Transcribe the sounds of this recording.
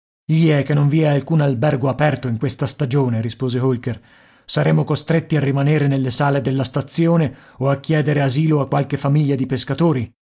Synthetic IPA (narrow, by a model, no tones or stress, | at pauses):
ʎiɛk̟ːenːoɱviɛalkuːnalbɛrɡoapɛrt̪oiŋkwest̪ast̪ad͡ʒoːneɾispoːzeɦolker | saɾeːmokost̪ɾet̪ːiarːimaneːɾenelːesaːled̪elːast̪at̪sːjoːneoakːjɛːd̪eɾeaziːloakːwalkefamiʎːad̪ipeskat̪oːɾi